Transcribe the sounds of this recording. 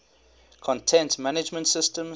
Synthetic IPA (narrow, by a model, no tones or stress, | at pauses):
kʰɔ̃ntʰɛ̃ntmanɪd͡ʒmə̃ntsɪstə̃m